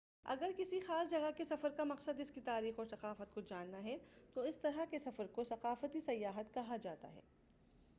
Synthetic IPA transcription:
ɐ̰ɡəɾkɪsixaːsd͡ʒɐɡakesɐfəɾkamɐqsəd̪ɪskit̪aːɾiːxɔːɾsɐqaːfət̪̚kod͡ʒaːnːaɦɛt̪oɪst̪ɐɾakesɐfəɾkosɐqaːfət̪isɐjːaːɦət̪kɐɦad͡ʒaːt̪a̰ɦɛ̰ː

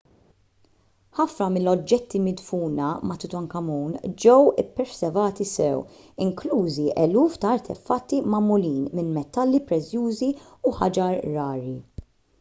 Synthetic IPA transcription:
ħɐfnɐmɪnlːɔd͡ʒːɛt̪ːimɪd̪fuːnɐmɐt̪ɪt̪ɐŋkɐmuːnd͡ʒɛwɪ̰pːɛɾsɛvɐːt̪isɛw | ɪŋkluːziʔɛluːft̪ɐɐɾt̪ʰɛ̰fɐt̪ːimɐmʊliːnmɪnmɛt̪ːɐlːipɾɛt͡sːjuːziuħɐ̰d͡ʒɐɾːɐːɾi

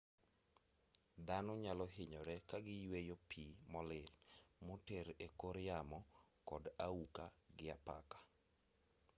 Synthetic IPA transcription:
d̪anɔɲalɔɦɪɲɔɾɛkaɡɪjwejopʰimɔlɪlmoteɾekoɾjamɔkɔdaukaɡɪapa̰kḁ

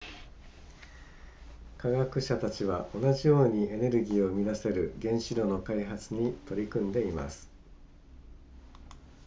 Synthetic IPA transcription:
kaɡakɯ̟ɕat̪at͡ɕiβ̞aʔo̞naʑijo̞ːɲ̟ie̞ne̞ɾɯ̟ɡʲiːo̞mʲid̪ase̞ɾɯ̟ɡẽ̞ɰ̃ɕiɾo̞no̞kaiɦat͡sɨɲ̟it̪o̞ɾʲikɯ̟̃nd̪e̞ima̰sɨ̥

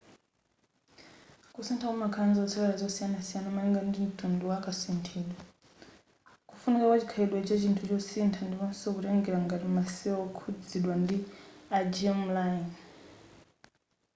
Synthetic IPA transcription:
kusintʰakamakʰanzt͡sʰɔwɛɾazɔsijanasijanamanɛŋɡandim̩tunduwakasintʰiːɗwa | kufunikakwat͡ʃikʰaiɗwɛt͡ʃat͡ʃintʰut͡ʃɔsintʰandipɔnsɔkuɾɛŋɡɛɾaŋɡatimasiɔkʰud͡ziɗwandiad͡ʒɛm̩lain

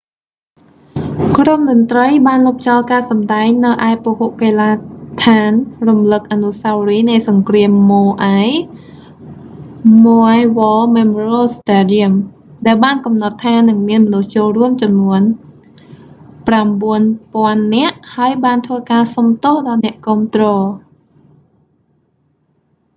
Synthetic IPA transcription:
kromɗʊ̆ənt̪rəjɓaːnlup̚ʰt͡ɕɑlkaːsɑmɗaɛŋnɨwʔaɛpohoʔkeːlaːt̪ʰaːnrumlɨk̚ʔanusawriːnɨjsɑŋkriəmːoːʔaj | moʔajʋɔːmɛmroːstaɗiəm | ɗaɛlɓaːnkɑmnɑt̪ʰːaːnɨŋmiənmɔnuht͡ɕoːlruəmt͡ɕɑmnuən | pramɓuənpŏənːɛ̆əʔhaəjɓaːnt̪ʰʋəːkaːsɑmt̪oːhɗɑlnɛ̆əʔkɔːmt̪rɔː

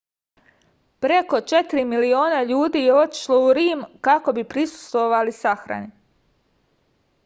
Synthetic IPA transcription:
pɾe̞ko̞t͡ʃe̞t̪ɾimilio̞ːnaʎuːd̪iːjeo̞t̪i̥ʃlˠo̞uɾiːmkako̞bipɾisu̥st̪ʋo̞ʋalisaxɾa̰ni

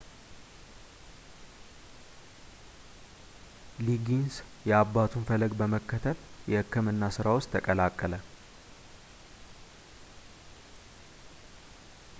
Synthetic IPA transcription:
liɡinsjɛabːat̪ʰunfələɡbəməkːət̪ʰəljɛhɨkʰːɨmɨnːasɨɾawʊst̪ʰːəkʼəlakʼːələ

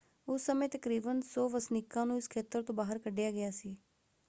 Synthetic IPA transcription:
ʊsːəmẽːt̪əkɾiːbənsɔːʋəsnɪkːãːnũːɪskʰeːt̪əɾt̪õːbaːɦəɾkəɖːɪjaːɡɪjaːsiː

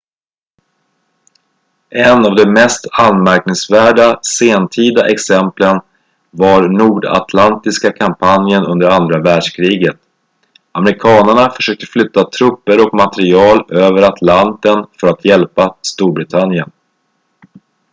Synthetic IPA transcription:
ʔɛnavd̪ɛmɛst̪anmæɾknɪŋsvæːɖaseːnt̪ʰiːd̪aʔɛksɛmplən | vaɾnuːɖa̰t̪ʰlant̪ɪskakʰampʰanjənɵnd̪əɾand̪ɾavæːɖʂkʰɾiːɡət̪̚ | amɛɾɪkʰɑːnəɳafœʂøːk̚t̪ə̥flʏt̪ːat̪ʰɾɵpːəɾɔkmat̪ɛɾɪɑːløːvəɾat̪ʰlant̪ənfœɾat̪ʰjɛlpast̪uːɾbɾɪt̪ʰanjən

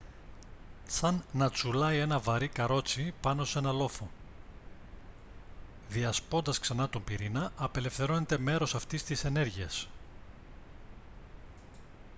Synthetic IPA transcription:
sɐnːɐt͡sulɐje̞nɐvɐɾikɐɾo̞t͡sipɐno̞se̞nɐlo̞fo̞ | ðiɐspo̞nd̪ɐsksɐnɐt̪ombiɾinɐɐpe̞le̞fθe̞ɾo̞net̪e̞me̞ɾo̞sɐft̪ist̪ise̞ne̞ɾʝiɐs

